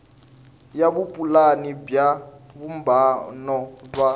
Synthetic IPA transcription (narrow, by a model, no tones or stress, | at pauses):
jaβupʼulanibjaβumbanɔb͡ʐwa